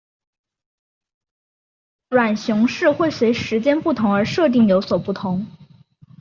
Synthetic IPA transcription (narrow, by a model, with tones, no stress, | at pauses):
ɻwa˨˩nɕjʊ˧˥ŋʂɻ̩˥˧xwe˥˩ɪswe˧˥ɪʂɻ̩˧˥t͡ɕjɛ˥npu˥˩t̪ʰʊ˧˥ŋə˞˧˥ʂɤ˥˧t̪̬i˥˩ŋjo˧˥ʊswɔ˨˩pu˥˩t̪ʰʊ˧˥ŋ